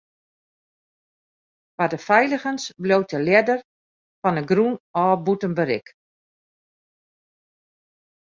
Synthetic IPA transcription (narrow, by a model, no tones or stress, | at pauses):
ʋadəfɛjləɣənsblowt̚əljɛdər | fɔnəɡrunɔːbutənbəɾɪ̰k